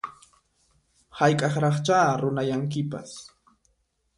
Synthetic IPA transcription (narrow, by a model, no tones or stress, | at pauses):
hajkʼɑχɾɑχt͡ʃaːɾʊnajaŋk̬ɪpa̰s